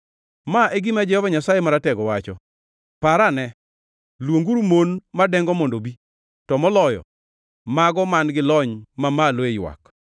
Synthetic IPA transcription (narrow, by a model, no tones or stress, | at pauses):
maeɡɪmad͡ʒɛhɔvaɲasajemaɾatɛɡɔwat͡ʃɔ | paɾanɛ | lwoŋɡuɾumonmadɛŋɡɔmɔndobi | tɔmɔlɔjɔ̰ | maɡɔmanɡɪlɔɲmamalwejwa̰k